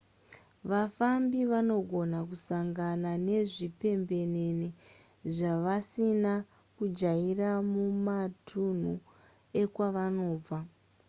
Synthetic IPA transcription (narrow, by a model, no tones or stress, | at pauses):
ʋafambiʋano̞ɡʱo̞nakusaŋɡanane̞ʐipe̞mbe̞ne̞ne | ʐaʋasina | kud͡ʒairamumatʰun̤u | e̞kwaʋano̞ːb͡va